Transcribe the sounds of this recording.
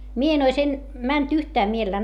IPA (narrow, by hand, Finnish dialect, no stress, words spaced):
mie en ois en mænt yhtæː mielelːæː